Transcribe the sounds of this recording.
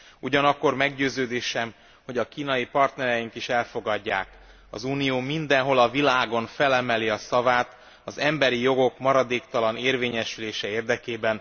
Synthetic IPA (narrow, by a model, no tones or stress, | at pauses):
uɟɒnɒkːo̞rmɛɡɟøːzøːd̪eːʃɛm | ho̞ɟɒkiːnɒjipɒrt̪nɛɾɛjiŋkiʃɛlfo̞ɡɒɟːa̰ːk | ɒ̰zuːnijoːmind̪ɛnɦo̞lɒvilaːɡo̞nfɛlɛmɛliɒsɒvaːt̪ | ɒzɛmbɛɾijo̞ɡo̞kmɒɾɒd̪eːkt̪ɒlɒneːrveːɲɛʃyleːʃɛeːrd̪ɛkeːbɛn